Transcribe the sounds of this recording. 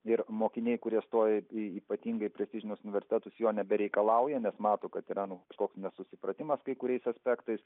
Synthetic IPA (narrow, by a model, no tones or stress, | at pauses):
ɪɾmoːkʲɪnʲeɛɪkʊɾʲiɛst̪oːjɛɪiːpɐt̪ʲiːŋɡɐɪpʲɾʲɛsʲt̪ʲɪʒʲɪnʲoʊsʊnʲɪʋʲɛɾʲsʲɪt̪ʲæt̪ʊsjoːnʲɛbʲɛɾʲɛɪkɐlˠɐʊjɛnʲɛsmɑːt̪oːkɐt̪iɾɑnʊt̪oːksnʲɛsʊsʲɪpɾɐt̪ʲɪmɐskɐɪkʊɾʲɛɪsɐsʲpʲɛkt̪ɐɪs